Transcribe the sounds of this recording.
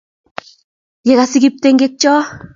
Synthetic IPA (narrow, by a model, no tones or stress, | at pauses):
jeɣasiɡip̚t̪eŋɡek̚t͡ʃɔː